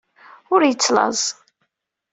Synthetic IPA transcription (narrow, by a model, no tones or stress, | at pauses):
ʊɾjət͡sːlɑ̰zˤ